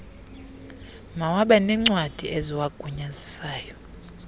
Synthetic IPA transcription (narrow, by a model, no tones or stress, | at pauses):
mawaɓɛnɛŋ͡ǀwad̥ʱiʔeziwaɡ̥ʱuɲazisaːjɔ